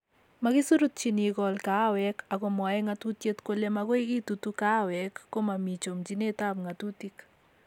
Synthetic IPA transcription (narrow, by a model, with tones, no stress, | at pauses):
maɡɪ˦su˦ɾu˦t̪̚t͡ʃi˨ni˨ɡɔ˨lka˦wɛkʰaɡɔ˨mɔ˨jɛ˦ŋat̪u˦t̪je˦t̪ko˦le˦maɡo˦i˦ɡi˦t̪ut̪u˦ka˦wɛkːo˦ma˨mi˨t͡ʃo˨md͡ʒi˦ne˦t̪a˦bŋat̪ut̪i˦k